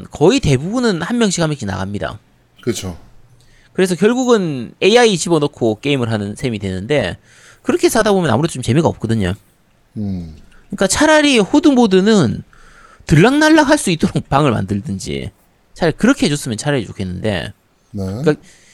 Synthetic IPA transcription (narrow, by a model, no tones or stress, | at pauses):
nkʌite̞bubunɯnhanmjʌŋɕʰikʰhamjeŋɕ͈ʰina̰ɡamɲida̰ | kɯt͡ɕʰo | kɯɾe̞sʰʌkjʌɭɡuɡɯne̞ait͡ɕʰibʌnokʰok͈e̞imɯɭɦanɯnsʰemidwe̞nːɯnde̞ | kɯɾʌkʰe̞sʰadabomjʌnamuɾe̞dot͡ɕomt͡ɕe̞miɡaʌp̚k͈ʌdɯɲo̰ | ɯik͈at͡ɕʰaɾaɾihodumodɯnɯn | tɯɭːaŋnaɭːakhaɭs͈uit͈ʌɾopaŋɯɭma̰ndɯɭdɯnd͡ʑḭ | t͡ɕʰaɾaikɯɾʌkʰeɦed͡ʑos͈ɯmjʌnt͡ɕʰaɾaɾit͡ɕokʰenːɯnde̞̰ | nk͈a